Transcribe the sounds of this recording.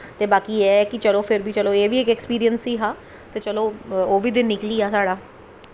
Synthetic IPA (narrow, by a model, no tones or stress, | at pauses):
t̪eːbaːkiːɛkɪt͡ʃəloːpʰɪɾbiːt͡ʃəloːeːʋiːɪkɛkspiːɾiənsiːɦaː | t̪eːt͡ʃəloːoːʋiːd̪ɪnnɪkliːaːsaːɽaː